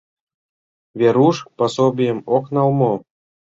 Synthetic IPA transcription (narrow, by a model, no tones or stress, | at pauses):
βʲeɾuʂposobʲijə̆moknɑlˠmo